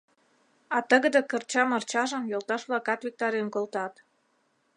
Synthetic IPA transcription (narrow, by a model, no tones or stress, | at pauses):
ɑt̪ə̆ɣə̆d̪ə̆kərt͡ɕɑmərt͡ɕɑʒə̆mjolt̪ɑʃβlɑkɑt̪vik̚t̪ɑɾenkolt̪ɑt̪